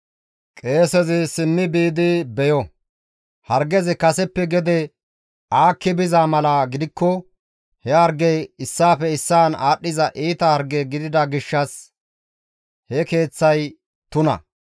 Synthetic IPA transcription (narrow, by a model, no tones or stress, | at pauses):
kʼe̞ːsɛzɪsɪnːɪbiːd̪ɪbɛjɔ | hɐɾɡɛzɪkɐsɛpːɛɡɛd̪ɛ | aːkːɪbɪzamɐlaɡɪd̪ɪkːɔ | hɛɐɾɡɛjɪsːaːfɛɪsːaːnaːɗːɪzɐʔiːt̪ɐhɐɾɡɛɡɪd̪ɪd̪ɐɡɪʃːɐs | hɛke̞ːt͡sːɐj | t̪ʊnɐ̰